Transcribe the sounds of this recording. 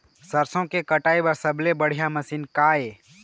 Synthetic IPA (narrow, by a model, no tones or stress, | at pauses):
səɾsõkekəʈaːibəɾsəblebəɽ̤ijamɐsiːnkaːeː